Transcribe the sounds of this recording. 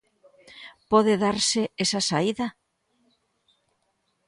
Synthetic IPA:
pɔðɪðaɾsɪesasaiða

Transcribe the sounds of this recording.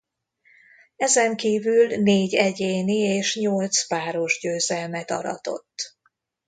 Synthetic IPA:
ɛzɛŋkiːvylneːɟɛɟeːnieːʃɲo̞lt̪spaːɾo̞ʒɟøːzɛlmɛt̪ɒ̰ɾɒ̰t̪o̞̰t̪ː

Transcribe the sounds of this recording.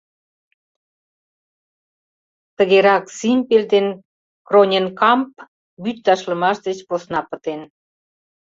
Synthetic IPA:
t̪əɣeɾɑksimʲpeld̪en | kronʲenkɑmp | byt̪t̪ɑʃlə̆mɑʃd̪et͡ɕposnɑpət̪en

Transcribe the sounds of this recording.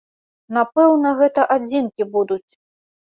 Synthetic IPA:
napɛwnɐɣɛt̪ɐʔad͡zʲinkʲibud̪ut͡sʲ

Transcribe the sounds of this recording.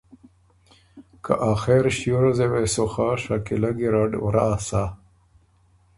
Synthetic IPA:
kʰa̰ʔaːxeɾɕjuɾazewesoxaʂakilaɡiɾaɖwɾaːsa

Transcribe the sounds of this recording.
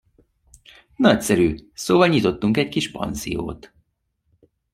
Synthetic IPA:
nɒcsɛɾyːsoːvɒlɲit̪o̞t̪ːuŋkɛckiʃpɒ̰nzḭjo̰ːt̪

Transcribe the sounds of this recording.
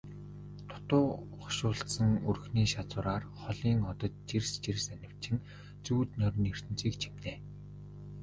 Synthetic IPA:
t̪ʰʊ̥t̪ʊːχʊ̥ʃʊːɮt̪sə̆ŋɵrxniːʃat͡sʊːɾaːrχɔɮiːŋɔt̪ɞ̆t̪̚t͡ɕerst͡ɕirsænʲɪ̆w̥t͡ɕʰɪ̆n | t͡suːt̪nœɾ̆ʲner̥t̪ɘ̆n̥t͡siːkt͡ɕʰemneː

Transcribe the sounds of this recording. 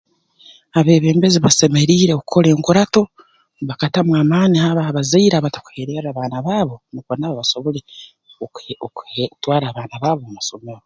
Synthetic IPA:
aβe̞ːβe̞ːmbeziβase̞me̞ɾiːɾekukʰo̞ɾe̞ːŋkuɾato̞ | βakatamwaːmaːnihaβaβazaiɾaβatḁku̥heɾeɾaβaːnaβaːβo̞nikonaβaβaso̞βo̞le | twaːɾaːβaːnaβaːβo̞mumaso̞meɾo

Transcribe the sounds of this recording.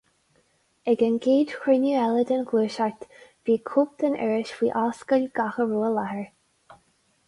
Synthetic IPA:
ɛɡənɡeːdxɹɪnəɛləd̪ənɡluːʃaɹt̪v̥iːkʰup̚t̪ənʔɛ̰ɹɪʃwiːʔaːskəlʲɡ̥axəɹuːəlahəɹ

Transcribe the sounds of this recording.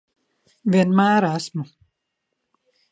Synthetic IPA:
ʋinmaːɾasmu

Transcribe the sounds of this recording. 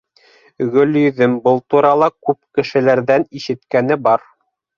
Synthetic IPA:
ɣɵ̆ljɵðɘmbɤlˠt̪uɾɑlˠɑkʉpkɘ̆ʃɘ̆læɾðæniʃɘ̆t̪kænɘbɑɾ

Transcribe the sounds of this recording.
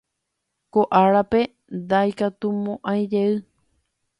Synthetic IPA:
koʔaɾape̞ | nd̪ajkat̪umõʔãj̃d͡ʒeɨ

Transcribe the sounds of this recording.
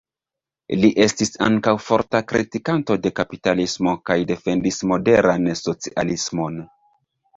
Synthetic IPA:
liʔe̞stisa̰ŋkawfo̞ɾtakɾitikanto̞de̞kapitalismo̞kajde̞fe̞ndismo̞de̞ɾanso̞t͡siʔalismo̞n

